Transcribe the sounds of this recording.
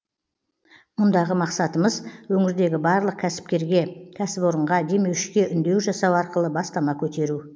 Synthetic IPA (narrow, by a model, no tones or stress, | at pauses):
mʊnd̪ɑʁəmɑqsɑt̪əməzwɵŋɪɾd̪e̞ɡʲɪbɑɾlˠəq̚kʲʰæsɪ̥p̚kʲe̞ɾɡʲe̞kʲʰæsɪpoɾəɴʁɑd̪e̞me̞wʃɪ̥kʲe̞ʔʏnd̪e̞wʒɑsɑwɑɾqəlˠəbɑst̪ɑmɑkʲʰɵt̪e̞ɾu